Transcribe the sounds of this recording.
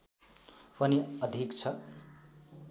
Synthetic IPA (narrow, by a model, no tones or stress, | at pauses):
pʌniʌd̪ʱikt͡sʰʌ